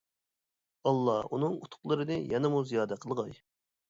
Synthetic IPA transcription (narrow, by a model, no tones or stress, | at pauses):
ɑlˠːɑunɨŋut̪ʰʊ̥qlˠɨɾɨnɨjɛnɪmuzijɑːd̪ɛqʰəlˠʁɑj